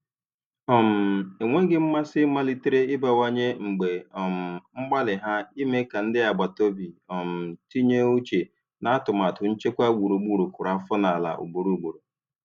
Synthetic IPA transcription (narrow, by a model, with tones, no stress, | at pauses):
ɔ˨m̩˨e˨ŋʷe˦ɡɪ˦m̩˦ma˦sɪ˦ma˦li˦tɪ˦ɾe˦ɪ˦ba˨wa˦ɲe˦ŋ͡m̩˨ɡ͡be˨ɔ˨m̩˨ŋ͡m̩˦ɡ͡ba˦lɪ˨ɦa˦i˦me˦ka˨n̩˦dɪ˦a˨ɡ͡ba˨to˦bi˨ɔ˨m̩˨ti˦ɲe˦o˦t͡ʃe˨ | na˦a˦tʊ˨m˨a˨tʊ˨n̩˦t͡ʃe˦kʷa˦ɡ͡bu˨ɾu˨ɡ͡bu˨ɾu˨kʷʊ˨ɾa˨˦fʊ˦na˨la̰˨ʔṵ˨ɡ͡bu˨ɾu˨ɡ͡bu˨ɾu˨